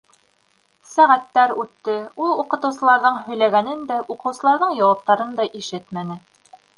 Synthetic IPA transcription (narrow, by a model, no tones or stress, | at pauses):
sæʁæt̪ːæɾʉt̪ːɘulˠuqɤ̆t̪ɤ̆wsɤ̆lˠɑɾðɤɴhɵ̆jlæɡænɘnd̪æʔuqɤ̆wsɤ̆lˠɑɾðɤɴjɑwɑp̚t̪ɑɾɤnd̪ɑʔiʃɘt̪mænɘ